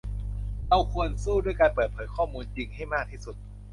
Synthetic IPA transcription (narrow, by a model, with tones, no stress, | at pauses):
ʔa˧wkʰu˧ənsuː˥˩du˥˩əjkaː˧npɤː˨˩t̪̚pʰɤː˩˦jkʰɔː˥˩muː˧nt͡ɕi˧ŋha˥˩jmaː˥˩k̚t̪ʰiː˥˩su˨˩˦t̪̚